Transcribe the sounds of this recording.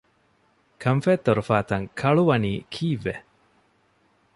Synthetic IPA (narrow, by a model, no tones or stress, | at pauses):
kʰɐɱfeːt̪ːoɾufaːt̪ɐŋkʰɐɭuʋɐniːkʰiːʋːe